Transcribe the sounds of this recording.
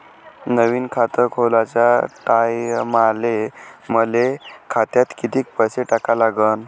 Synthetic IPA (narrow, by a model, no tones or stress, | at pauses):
nəʋiːnkʰat̪əɾkʰolat͡ɕjaʈajmaleməlekʰat̪jat̪kit̪iːk̚pəseʈakalaɡən